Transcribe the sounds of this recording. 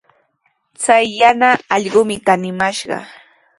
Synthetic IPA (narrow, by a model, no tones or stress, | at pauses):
t͡sajːanaːʎɢʊmɪkanɪmaʃɢɑ̰